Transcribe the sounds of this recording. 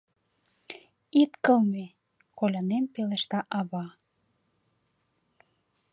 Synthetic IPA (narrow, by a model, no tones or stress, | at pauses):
it̪kɤlme | kolʲɑnempelĕʃt̪ɑʔɑβɑ